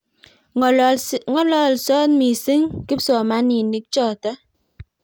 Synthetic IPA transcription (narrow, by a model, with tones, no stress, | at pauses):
ŋɔ˦lɔ˦˨lsɔ˦n˦mi˨si˦ŋki˦p̚sɔ˨ma˦ni˨ni˨˦k̚t͡ʃɔ˦˨tɛ˦